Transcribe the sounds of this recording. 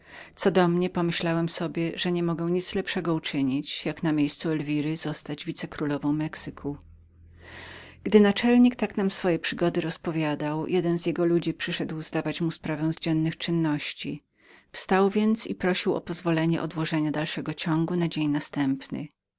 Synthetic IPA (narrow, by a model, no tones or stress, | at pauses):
t̪sɔd̪ɔmɲɛpɔmɘɕlawɛmsɔbʲjɛʐɛɲɛmɔɡɛ̃w̃ɲit̪slɛpʂɛɡɔut͡ʂɘɲit͡ɕjaknamʲjejst̪suɛlvʲiɾɘzɔst̪ad͡ʑvʲit̪sɛkɾulɔvɔ̃w̃mɛksɘkʰu | ɡ̥d̪ɘnat͡ʂɛlɲikt̪aknamsfɔjɛpʂɘɡɔd̪ɘɾɔspɔvʲjad̪awjɛd̪ɛnzjɛɡɔlud͡ʑipʂɘʂɛd̪wzd̪avat͡ɕmuspɾavɛ̃w̃zd͡ʑɛnːɘxt͡ʂɘnːɔɕt͡ɕi | fst̪awvʲjɛnt̪sipɾɔɕiwɔ̰pɔzvɔlɛɲɛʔɔd̪wɔʐɛɲad̪alʂɛɡɔt͡ɕɔŋɡunad͡ʑeɲnast̪ɛmpnɘ̰